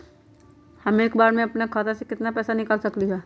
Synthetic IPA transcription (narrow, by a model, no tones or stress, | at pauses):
hɐmeːkbaːɾmẽɐpnekʰaːt̪asekɪt̪napɛːsanɪkaːlsɐkliɦaː